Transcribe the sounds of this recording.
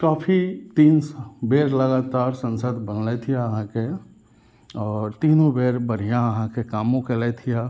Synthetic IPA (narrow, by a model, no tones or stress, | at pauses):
kaːpʰit̪iːnsbeːɾləɡaːt̪aːɾsə̃nsəd̪bənlɛt̪ʰijãəɦãke | ɔːɾt̪iːnõbeːɾbəɾ̤ijãəɦãkekaːmõkelɛt̪ʰija